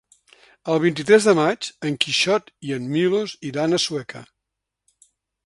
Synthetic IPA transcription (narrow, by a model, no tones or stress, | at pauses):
əlˠβ̞int̪̬it̪ɾɛzðəmad͡ʒəŋkiʃɔt̪iənmiloziðanəswɛkʰə̰